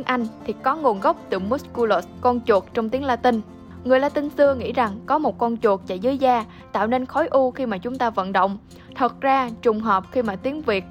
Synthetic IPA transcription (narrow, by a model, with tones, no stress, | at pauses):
ŋʔa˧jŋ̟t̪ʰi˨˩kɔ˨˦ŋo˨˩nɣə˦˥wk͡p̚t̪ɨ˧˩mu˦˥sku˧lo˧˩skɔ˧nt͡ɕu˨˩ək̚t͡ɕɔ˧ŋ͡mt̪i˨˦əŋlaː˧t̪i˧ŋ̟ | ŋɨ˨˩əjlaː˧t̪ï˧ŋ̟sɨ˧əŋḭ˧˥za˨˩ŋkɔ˨˦mo˨˩t̚kɔ˧nt͡ɕu˨˩ək̚t͡ɕa̰˧˩zɨ˨˦əjzaː˧ | t̪a̰ː˧˨wne˧nxɔ˨˦jʔu˧xi˧maː˨˩t͡ɕʊ˨˦ŋ͡mt̪aː˧və̰˧˨nɗo̰˧˨wŋ͡m | t̪ʰə˨˩t̚zaː˧t͡ɕʊ˨˩ŋ͡mɦɔː˨˩p̚xi˧maː˨˩t̪i˨˦əŋvi˨˩ət̚